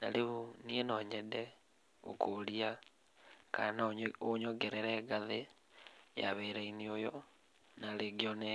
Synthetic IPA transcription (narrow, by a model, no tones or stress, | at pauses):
na̰leunienɔɲɛdɛ | o̰kolia | kanoɲɔɡɛɾɛɾɛːɡaðe | ja̰βeɾainiojɔ | naleɡiɔnɛ